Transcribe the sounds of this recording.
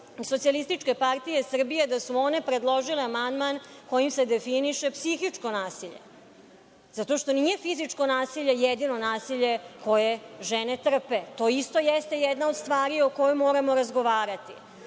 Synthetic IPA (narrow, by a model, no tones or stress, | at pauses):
so̞t̪sialist̪it͡ʂke̞paɾt̪ije̞sr̩bije̞d̪asuo̞ne̞pɾe̞d̪lˠo̞ʒileamand̪manko̞jimse̞d̪e̞finiʃe̞psixit͡ʂko̞naːsiʎe̞̰ | zat̪o̞ʃt̪o̞nije̞fizit͡ʂko̞naːsiʎe̞jed̪ino̞naːsiʎe̞ko̞je̞ʒene̞t̪r̩pe̞t̪o̞ːist̪o̞jest̪e̞jɛd̪nao̞d̪st̪ʋaːɾioko̞jomːo̞ːɾamo̞ɾazɡo̞ʋaːɾat̪i